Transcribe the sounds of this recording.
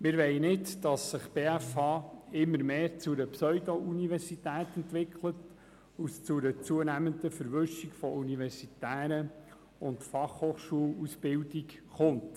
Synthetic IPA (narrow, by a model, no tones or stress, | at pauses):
mɪɾʋɛɪnɪtd̥ɑsːɪχb̥eːæfɑːɪmːəɾmeːɾt͡sʊɾəpsœʏdoʔunivɛɾsitæːtɛntʋɪkʰlət | ust͡sʊɾət͡suənæmənd̪əfəɾʋʏʃikfɔʔuniʋɛɾsitæːɾə | ʊntfɑχhoːχʃuːlusb̥ɪldikχʊnt